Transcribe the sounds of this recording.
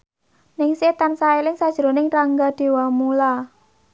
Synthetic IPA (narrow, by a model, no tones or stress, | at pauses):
nɪŋset̪ansaelɪŋsad̥ʒ̥əɾonɪŋraŋɡad̪̥e̤wamula